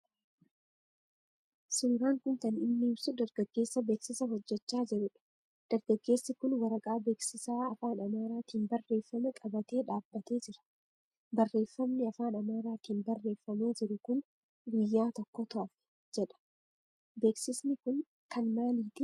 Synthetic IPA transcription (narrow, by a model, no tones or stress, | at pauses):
sɪŋɾaːŋkʊnt̪ɐnɪmːɪːɪbsʊd̪ɐɾɡɐɡːe̞ːsːɐbe̞ːksɪsɐɦɔd͡ʒːɛt͡ʃːaːd͡ʒɪɾʊᶑɐ̥ | d̪̥ɐɾɡɐɡːe̞ːsːɪkʊnwɐɾɐkʼaːbe̞ːksɪsaːɐfaːnɐmaːɾaːt̪iːnbɐrːe̞ːfːɐmɛkʼɐbɐt̪e̞ːᶑaːbːɐt̪e̞ːd͡ʒɪɾɐ̥ | bɐrːe̞ːfːɐmnɪɐfaːnɐmaːɾaːt̪iːnbɐrːe̞ːfːɐmeːd͡ʒɪɾʊkʊn | ɡɪjːaːt̪ɔkːɔt̪ɐʔɐf | d͡ʒɛᶑɐ̥ | be̞ːksɪsnɪkʊn | kɐnmaːliːt̪ɪ